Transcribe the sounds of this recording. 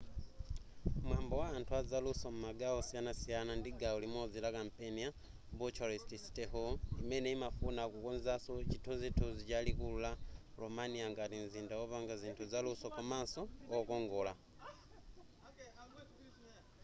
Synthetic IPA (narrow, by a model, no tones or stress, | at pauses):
mwaːmbowaantʰuazalusomumaɡaosianasijanandiɡaulimod͡zilakampenia | mbut͡ʃoɾestisi̥tehoimeneimafunakukunzasot͡ʃitʰunzitʰuzit͡ʃalikullalomaniaŋɡatinzindaoβaŋɡaziːntʰuzalusokumasookoŋɡola